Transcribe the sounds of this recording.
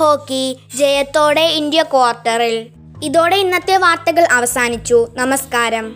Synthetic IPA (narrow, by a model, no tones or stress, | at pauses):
o̞ːkːid͡ʑejɐt̪ːo̞ːɽe̞ind̪jɐkoːrʈːɐril | iðo̞ːɽe̞inːɐt̪ːjɐʋaːrt̪ɐɣɐɭʔɐʋɐsaːnit͡ɕːunɐmɐskaːɾɐm